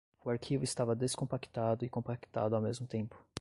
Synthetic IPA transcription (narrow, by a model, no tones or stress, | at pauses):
ʊaɾkʰivʊɪst̪avɐd̪eskõmpaki̥t̪ad̪ʊɪkõpaki̥t̪a̰d̪ʊawmezmʊt̪ẽpʊ̥